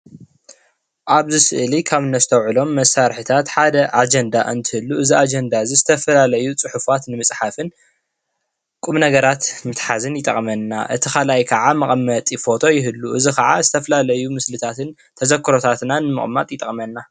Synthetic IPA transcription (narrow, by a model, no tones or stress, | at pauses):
ʔaβzɨsɨʔɨlikʰaβnɐsɨt̪ʰɐwʕɨlo̞mːɐsːaɾħit̪ʰat̪ħad̪ɐʔad͡ʒɐnd̪aʔɨnt̪ʰɨhɨlːuʔɨziad͡ʒɛnd̪azizɨt̪ʰɐfɐlalɐjut͡sʼɨħufat̪nɨmɨsʼħafɨn | kʼumnɐɡɐɾat̪mɨt̪ħazɨnjɪt̪ʼɐ̰χʼmɐnːa̰ʔɨt̪ʰixalajkʰɐʕamɐχʼmːɐt̪ʼifo̞t̪ʰo̞jɪɦɨlːuʔɨzikɐʕazɨt̪ʰɐfɐlalɐjumɨslɨt̪ʰat̪ɨn | t̪ʰɐzɐkʰːɨɾo̞t̪ʰat̪nanɨmɨ̰χʼmat̪ʼjɪt̪ʼɐχʼmɐnːa